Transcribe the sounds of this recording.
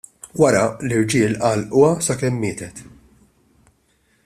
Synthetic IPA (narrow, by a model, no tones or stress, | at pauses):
wɐɾɐlɪɾd͡ʒɪːlʔɐːlʔʊwɐsɐkɛmːɪːt̪ɛt̪